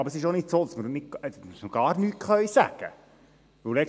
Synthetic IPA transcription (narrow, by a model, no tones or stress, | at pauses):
ɑbəɾəsɪʃonɪtsoːd̥̪ɑsməɾnɪtsməɾɡ̥ɑːɾnyːtχœɥsæ̰ɡ̥ə̰ | ʋɵwlɛk